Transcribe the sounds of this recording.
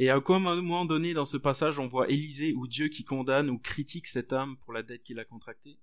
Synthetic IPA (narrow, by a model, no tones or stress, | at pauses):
eakmɑ̃mɔmɑ̃d̪ɔned̪ɑ̃səpasaʒɔ̃vwaʔelizeud̪jøkʲikɔ̃d̪anukχit̪iksɛt̪ampuʁlad̪ɛt̪̚kʲilakɔ̃t̪χak̚t̪e